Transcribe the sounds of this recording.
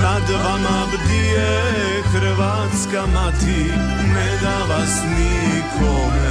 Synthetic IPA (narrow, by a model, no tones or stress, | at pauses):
ad̪ʋamabd̪ie | kɾʋa | t͡skamaːt̪ʰi | meːɡaʋasnikoːm